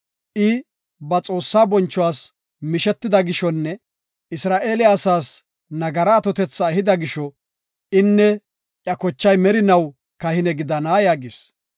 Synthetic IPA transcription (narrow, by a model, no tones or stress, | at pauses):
ʔɪ | bɐt͡sʼo̞ːsːaːbɔnt͡ʃːʊwaːs | mɪʃɛt̪ːɪd̪ɐɡɪʃɔnːɛ | ɪsɾaːʔeːlɪasaːs | nɐɡɐɾɐːt̪ɔt̪ɛt͡sːɐhɪd̪ɐɡɪʃɔ | ʔɪnːɛ | ʔjɐkɔt͡ʃːɐjmɛɾɪnɐw | kɐhɪnɛɡɪd̪ɐnaːjaːɡɪs